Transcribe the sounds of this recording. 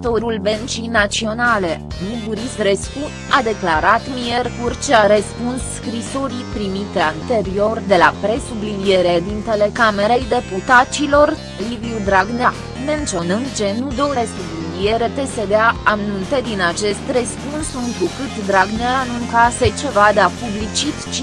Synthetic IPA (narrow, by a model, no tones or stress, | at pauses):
t̪o̞ɾulbent͡ʃijnat̪sio̞nale̞ | nubuɾist̪ɾe̞sku | ad̪e̞klaɾat̪mierkurt͡ʃeaɾespunsːkɾiso̞ɾipɾimit̪eant̪e̞ɾio̞rd̪e̞lapɾe̞sublinije̞ɾed̪int̪e̞le̞kameɾejd̪e̞put̪at͡ʃilo̞r | liviud̪ɾaɡna | me̞nt̪t͡ʃio̞nɨnd̪̚t͡ʃe̞nud̪o̞ɾesublinie̞ɾe̞pe̞se̞d̪eaamnunt̪e̞d̪inat͡ʃe̞st̪respunsɨŋk̪ɾukɨt̪d̪ɾaɡneanuŋkase̞t͡ʃe̞vad̪eapublit͡ʃit̪t͡ʃi